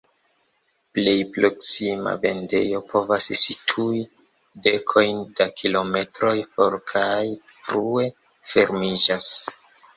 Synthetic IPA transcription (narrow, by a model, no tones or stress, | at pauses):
ple̞jpɾo̞ksima̰be̞nde̞̰jo̞po̞vassitʰui | de̞kʰo̞jnd̥akʰilo̞me̞tɾo̞jpo̞ɾkʰaj | fɾue̞ | fe̞ɾmid͡ʒas